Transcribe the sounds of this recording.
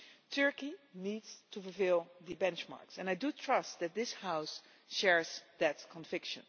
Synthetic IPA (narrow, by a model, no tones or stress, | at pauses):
tʰɜɹkinidz̥tʰufəlfɪlˠðɨbɛ̃nt͡ʃma̰ɹksɛ̃naɪdutʰɹʌst̚ðɨt̪̚ðɪshaʊs | ʃɛɹzðɨt̚kʰə̃ɱvɪkʃə̰̃n